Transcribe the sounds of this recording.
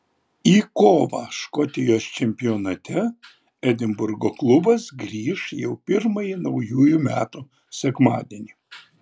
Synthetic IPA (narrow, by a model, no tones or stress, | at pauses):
iːkoːʋɑʃkɔt̪ʲɪjoːst͡ʃʲɛmʲpʲɪjoːnɐt̪ʲɛ | ɛd̪ʲɪmbʊɾɡoːklˠʊbɐsɡɾʲiːʃjɛʊpʲɪɾmɐjinɐʊjuːjumʲæːt̪u | sʲɛkmɑːd̪ʲeɛnʲiː